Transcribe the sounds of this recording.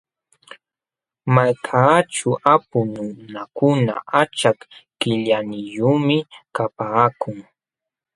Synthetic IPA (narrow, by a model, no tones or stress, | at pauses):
majkʰaːt͡ʃʊʔapʊnʊnakʊna̰ʔat͡ʃakkɪʎanɪʎuːmɪkapaːkʊŋ